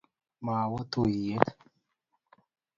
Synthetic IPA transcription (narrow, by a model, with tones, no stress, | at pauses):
maː˨wa˦t̪o˦˨i˨je˦t